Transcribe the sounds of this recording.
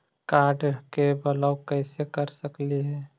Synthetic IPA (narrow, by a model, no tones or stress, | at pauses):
kaːɾɖkebəlaʊkəɪsekəɾsəkliɦɛː